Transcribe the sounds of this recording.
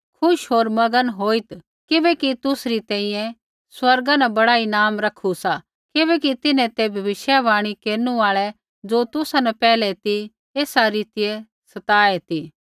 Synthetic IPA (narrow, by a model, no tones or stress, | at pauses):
kʰʊʃɦoːɾmɐɡənɦoːit̪ | kɪbɛkit̪ʊsɾit̪ɛ̃ːĩjɛ̃ | swɐɾɡanɛbɐɽaːinaːmɾɐkʰusa | kɪβɛkit̪ɪnɛ̃t̪ebʱɐʋɪʃjaʋaːɽ̃ikeːɾnuaːɭɛ | d͡ʒoːt̪ʊsanɛpɛːlɛt̪i | eːsaɾiːt̪ɪje | sɐt̪aːet̪i